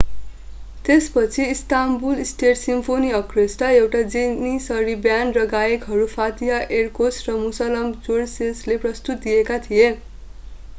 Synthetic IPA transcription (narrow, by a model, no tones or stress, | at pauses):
t̪espʌt͡sʰiːst̪ambulisʈeʈsimpʰoniʌkresʈaewʈad͡zinisʌɾibjanɖrʌɡajekɦʌɾupʰat̪iɦaʔerkosrʌmusʌlʌmd͡zoɽsesleprʌst̪ut̪̚d̪ijekat̪ʰije